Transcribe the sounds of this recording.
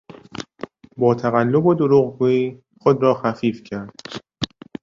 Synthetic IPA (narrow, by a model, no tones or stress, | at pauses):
bɒːt̪ʰæɣælːo̞bod̪oɾuːɣɡuːiː | xod̪ɾɒːxæfiːfcʰæɾd̪̥